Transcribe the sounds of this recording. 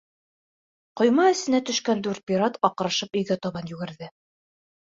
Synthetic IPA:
qŏjmɑɘ̆sɘ̆næt̪ɵ̆ʃkænd̪ʉɾt̪̚pʲiɾɑt̪ɒq̆ɾɑʃɤpɵ̆jɡæt̪ɑβɑnjʉɡɘ̆ɾðɘ

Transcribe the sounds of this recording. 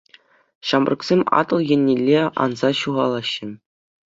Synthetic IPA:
ɕɑmbrʔɤ̆ksʲemʲɑ̰t̪ɤ̆lˠjɘ̆nʲːelʲːeɑ̰nzɑɕuʁɑlˠɑɕːɘ̆

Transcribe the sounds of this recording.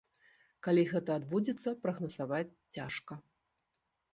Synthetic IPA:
kalʲiɣɛt̪ɐːd̪bud͡zʲɛt̪sːɐpɾɐɣnɐsavat͡sʲt͡sːʲaʂkɐ

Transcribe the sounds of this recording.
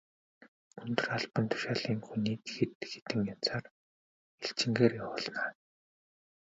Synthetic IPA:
ɵnt̪ɵ̆raɮpə̆nt̪ʰʊ̥ʃaːɮiːŋxuniːt̪xet̪xe̥t̪ɘ̆ŋjan̥t͡sʰaːr | eɬt͡ɕɪ̆ŋɡeːrjawʊːɮnaː

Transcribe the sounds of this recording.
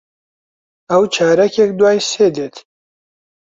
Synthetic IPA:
ɐwt͡ʃʰaːɾɛkʰɛkd̪waːjseːd̪eːt̪ʰ

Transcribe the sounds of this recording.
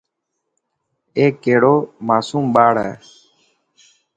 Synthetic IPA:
eːkːeːɽoːmaːsuːmɓaːɽɛ̰ː

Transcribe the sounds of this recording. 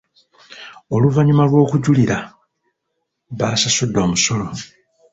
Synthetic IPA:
o̞luvaɲimalwo̞ːkuɟuliɾa | βaːsasudːo̞ːmuso̞lo̞

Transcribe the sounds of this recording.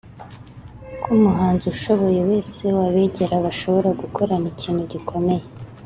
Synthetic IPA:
kʰumuɦaːnzuʃo̞βo̞jewe̞ːse̞waβeɟe̞ɾaβaʃo̞βo̞ɾaɡukʰo̞ɾaniciːn̥huɟikʰo̞me̞je̞

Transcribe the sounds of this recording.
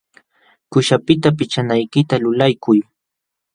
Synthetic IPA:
kʊʃapɪt̪apɪt͡ʃanajkɪt̪alʊlajkʊj

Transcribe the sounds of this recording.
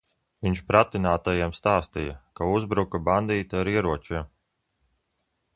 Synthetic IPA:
viɲʲʃpɾat̪inaːt̪ajimst̪aːst̪ija̰kauzbɾukaband̪iːt̪aaɾiɛɾuɔt͡ʃim

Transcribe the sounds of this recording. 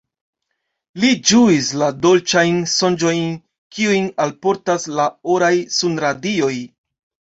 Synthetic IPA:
lid͡ʒuislado̞lt͡ʃajnso̞nd͡ʒo̞jn | kiujnalpo̞ɾtaslaoɾajsunɾadio̞j

